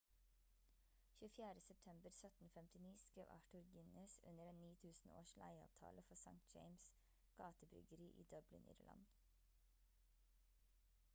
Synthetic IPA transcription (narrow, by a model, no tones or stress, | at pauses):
çʉːfjæːɾəsɛp̚t̪ʰɛmbəɾsœt̪n̩fɛmt̪ɪniːskɾeːʋʔɑ̰ʈʉɾɡɪnəsʉ̰nəɾeːnniːt̪ʰʉːsn̩o̰ːʃlʔæɪɑ̰ːʋt̪ʰɑ̰ːləfɔsɑ̰ŋt̪̚d͡ʒeɪms | ɡ̥ɑːt̪əbɾʏ̰ɡəɾiːʔḭːd̪œblɪ̰nʔɪ̰ɾlʔɑ̰n